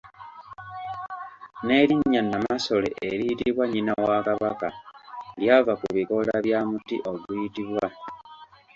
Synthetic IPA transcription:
ne̞ɾiɲːanːamaso̞lḛʔeɾiːtiβwaɲinawakaβakaljavakuβiko̞laβjaːmutḭʔo̞ɡujitiβwa

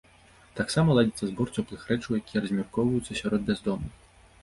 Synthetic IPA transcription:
t̪aksamɐlˠad͡zʲit̪sːɐzbɔrt͡s̪ʲɔplˠɨxɾɛt͡ʂɐwjakʲijɛɾɐzʲmʲɔrkɔwvɐjut̪sːɐsʲaɾɔd̪̚bʲazd̪ɔmɨx

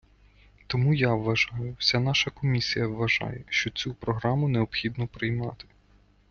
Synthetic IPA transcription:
t̪ɔmujaʋːɐʒɑjʊwsʲanɑʃɐkɔmʲisʲijɐʋːɐʒɑ̰jɛʃt͡ʃɔt͡sʲupɾɔɦɾɑmʊnɛɔpxʲid̪nɔpɾɪjmɑt̪ɪ̥

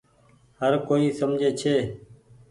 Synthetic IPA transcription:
həɾkoːiːsəmd͡ʒʱeːt͡ʃʰeː

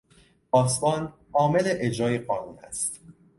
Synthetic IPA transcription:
ɒːsmɒːn | ʔɒːme̞le̞ʔed͡ʒɾɒːjeɢɒːnuːnæ̰st̪

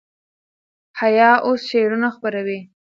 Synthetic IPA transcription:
hajɑʔosʃeɽunaxpəɾawi

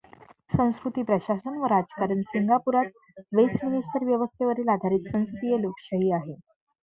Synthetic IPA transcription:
sə̃w̃skɾut̪iːpɾəɕasənʋəɾad͡zkaɾənsiŋɡapuɾat̪̚ | ʋesminisʈəɾʋjəʋəst̪ʰeʋəɾiːlad̪ʱaɾit̪sə̃w̃skt̪ijelokɕəɦiːaɦe

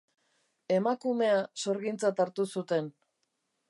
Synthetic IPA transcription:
e̞makume̞aso̞ɾɣint͡sat̪aɾt̪usut̪e̞n

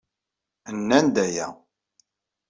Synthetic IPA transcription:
ənːænd̪æjæ̰

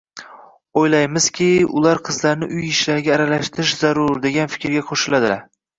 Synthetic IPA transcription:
ojlajmɪz̥kʲʰɪʊ̰laɾqʰɨzlaɾnɪʔʊjɪʃlaɾɡʲaːɾalaʃt̪ʰɪɾɪʃzaɾʊɾd̪e̞ɡʲanfɪ̥kʲɾɡʲaqʰoʃɪlad̪ɪa

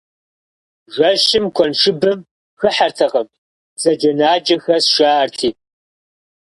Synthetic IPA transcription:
ʒʷɐɕɪmkʷʰɔnʂɨbɨm | xɨħartʰɐqɐm | zɐd͡ʒɐnaːd͡ʒɐxɐsʃaːʔɐrtʰiː

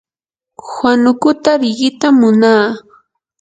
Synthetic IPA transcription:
hwanʊkʊt̪aɾɪɢɪt̪amːʊnaː

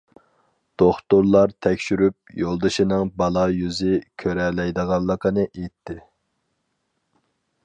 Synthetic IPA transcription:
d̪̥oχt̪ʊɾlˠɑɾt̪ʰɛkʲʃyɾyp̚jolˠd̪ɨʃinɪŋbɑlˠɑjyzɪkʲʰøɾɛlɛjd̪əʁɑnlˠːəqənɨʔejt̪ʰːɪ

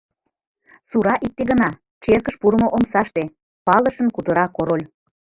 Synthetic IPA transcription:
suɾɑʔik̚t̪eɣənɑ | t͡ʃerkəʃpuɾə̆moʔomsɑʃt̪e | pɑləʃənkut̪əɾɑkoɾolʲ

